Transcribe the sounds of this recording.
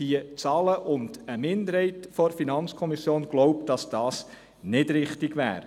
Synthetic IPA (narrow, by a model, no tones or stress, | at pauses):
hiət͡sɑːləʔʊndəmɪndəɾhɛɪtfɔɾfinɑnt͡skʰɔmisjoːnɡ̥loʊp̚d̥ɑsd̥ɑːs | nɪdɾɪχtɪɡʋæ̰ːɾ